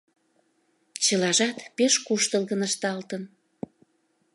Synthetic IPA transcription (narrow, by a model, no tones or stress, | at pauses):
t͡ɕə̆lɑʒɑt̪peʃkuʃt̪əlɣənəʃt̪ɑlt̪ən